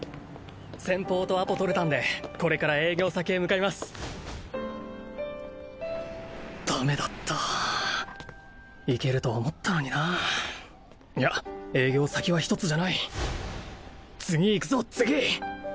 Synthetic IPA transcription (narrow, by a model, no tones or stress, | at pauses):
sẽ̞mpo̞ːt̪o̞apo̞t̪o̞ɾet̪ãnd̪e̞ko̞ɾe̞kaɾae̞ːɡʲo̞ːsake̞ːmɯ̟kaimasɨ̥ | d̪̥ame̞d̪at̪ʰːa | ike̞ɾɯ̟t̪o̞ːmo̞t̪ʰːano̞ɲ̟ina | jae̞ːɡʲo̞ːsakʲiβaçi̥t̪o̞t͡sɨʑanai | t͡sɨɡʲiːkɯ̟zo̞t͡sɨɡʲi